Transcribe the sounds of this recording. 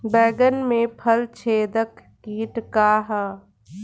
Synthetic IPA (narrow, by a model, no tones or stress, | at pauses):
bɛːɡənmẽpʰəlt͡ʃʰeːd̪əkːiːʈkaːɦa